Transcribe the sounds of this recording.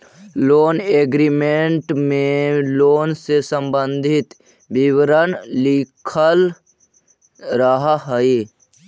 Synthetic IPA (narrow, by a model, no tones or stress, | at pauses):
loːneːɡɾimeɳʈmẽloːnsesəmbə̃nd̪ʱɪt̪ | bɪwɾənlɪkʰəl | ɾəɦaɦəe